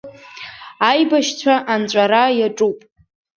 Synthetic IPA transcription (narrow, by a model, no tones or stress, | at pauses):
ajbaʃt͡ɕʷʰaʔant͡ɕʷʼaɾajaʈ͡ʂʼupʼ